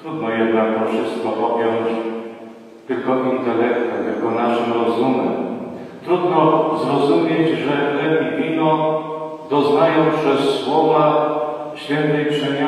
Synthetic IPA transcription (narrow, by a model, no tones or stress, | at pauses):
t̪ɾud̪nɔjɛd̪nakd̪ɔfʂɘst̪̚kɔpɔpʲjɔɲt͡ɕ | t̪ɘlkɔʔint̪ɛlɛfɔɛt̪ɘlkɔnaʂɨmɾɔzumɛm | t̪ɾud̪nɔzɾɔzumʲjed͡ʑʐɛft̪ɛbʲibʲid̪ɔ | d̪ɔznajɔ̃w̃pʂɛsːwɔva | ɕfʲjɛnt̪ɛjkʂɛmʲ